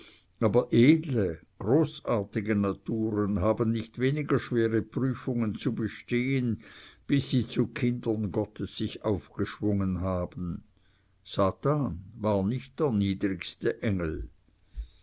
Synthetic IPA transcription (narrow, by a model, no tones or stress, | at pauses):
ʔaːbɐʔeːdləɡ̥ʁoːsaːɐtɪɡənatʰuːʁənɦaːbən̩ːɪçtveːnɪɡɐʃv̥eːʁəpʁ̥yːfʊŋənt͡subəʃteːənb̥ɪsːiːt͡sukʰɪndɐnɡɔtʰəsːɪçaʊfɡ̥əʃv̥ʊŋənɦaːbən̩ | z̥aːtaːnvaːɐnɪçt̚d̥eːɐniːdʁɪçstəʔɛŋl̩